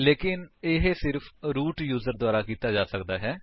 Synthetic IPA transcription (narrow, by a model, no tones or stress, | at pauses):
leːkɪnɪɦsɪɾpʰɾuːʈjuːzəɾd̪ʊaːɾaːkiːt̪aːd͡ʒaːsəkd̪aːɦɛː